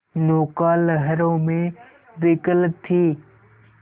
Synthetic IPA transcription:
noːkaːlɦəɾõːmẽː | ʋɪkəlt̪ʰːiː

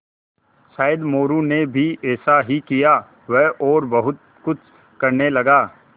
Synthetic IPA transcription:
ʃaːɪd̪moːɾunebʱiɛːsaɦikijaː | ʋɛɦɔːɾbɐɦʊt̪̚ | kʊt͡ʃʰ | kɐɾnelɐɡaː

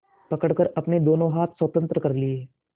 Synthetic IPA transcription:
pɐkəɽkəɾɐpned̪oːnõɦaːt̪ʰswət̪ə̃nt̪ɾəkɐɾlɪeː

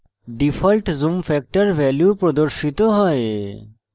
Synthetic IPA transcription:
ɖifʰɔlʈzumfɛk̚ʈaɾbʱɛljupɾod̪oɾʃit̪oɦɔe

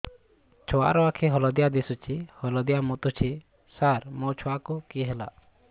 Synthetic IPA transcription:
t͡ʃʰɔwa̰ɾɔwakʰɛɦɔlɔd̪ijad̪isut͡ʃʰihɔlɔd̪ijamɔt̪ɔt͡ʃʰi | saɾmɔt͡ʃʰɔwakukiɦɛla̰

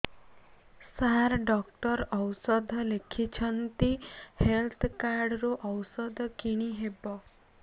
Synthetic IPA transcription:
saɾɖɔkʈɔɾɔwsɔd̪ʱɔlekʰit͡ʃʰʌnt̪ihelt̪ʰkaɾɖɾoʔɔwsɔd̪ʱɔkiɽ̃iɦebɔ

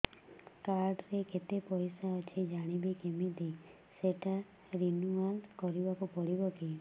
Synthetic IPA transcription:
kaɾɖɾeket̪epɔjsat͡ʃʰed͡ʒaɽ̃ibikemid̪e | seʈa | ɾinuankɔɾiʋakopɔɽiʋɔke

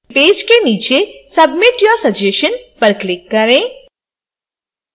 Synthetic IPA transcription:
peːd͡ʒkeniːt͡ʃesɐbmɪʈjɔːsɐd͡ʒeʃənpəɾklɪkːɐɾẽː

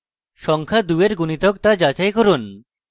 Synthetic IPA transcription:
ʃɔŋkʰad̪ueɾɡunit̪okt̪ad͡ʑat͡ɕajkoɾun

